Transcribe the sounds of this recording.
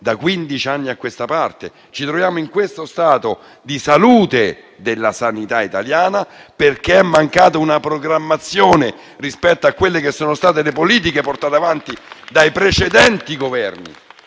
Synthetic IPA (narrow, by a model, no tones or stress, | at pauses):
d̪akwind̪it͡ʃianːiakːwest̪apart̪e | t͡ʃit̪ɾovjaːmoiŋkwest̪ost̪aːt̪o | d̪isaluːt̪e | d̪elːasanit̪ait̪aljaːnaperk̟eɛmːaŋkaːt̪aunapɾoɡɾamːat̪sːjoːne | rispɛt̪ːoakːwelːekesːoːnost̪aːt̪elepoliːt̪̬ikeport̪aːt̪eavant̪id̪ajpɾet͡ʃed̪ɛnt̪iɡovɛrnḭ